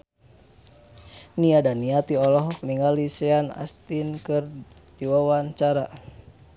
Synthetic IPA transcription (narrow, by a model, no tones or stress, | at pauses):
niadaniat̪iɔlɔɦkəniŋalisɛana̰st̪inkɨr | d̥iwawant͡ʃaɾa